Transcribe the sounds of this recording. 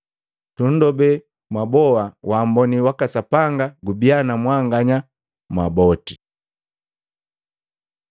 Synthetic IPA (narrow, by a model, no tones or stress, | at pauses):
tun̩dɔbɛ | mabɔwawaːmbɔniwakasapaŋɡaɡubianamwaŋɡaɲa | mwabɔti